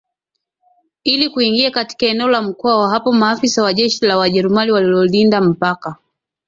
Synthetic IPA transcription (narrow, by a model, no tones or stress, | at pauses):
ilikuiŋɡiakati̥kaɛnɛɔlam̩kɔawaɦapɔmaːfisawaʄɛʃilawaʄɛɾumaniwalilɔlindam̩paka